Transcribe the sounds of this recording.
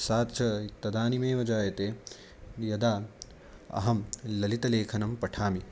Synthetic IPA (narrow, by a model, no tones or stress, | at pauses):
saːt̪t͡ʃʰɐt̪ɐd̪aːnimeːʋɐd͡ʒaːjɐt̪eː | jɐd̪aː | ɐ̰ɦɐmlɐlit̪ɐleːkʰɐnɐmpɐʈʰaːmi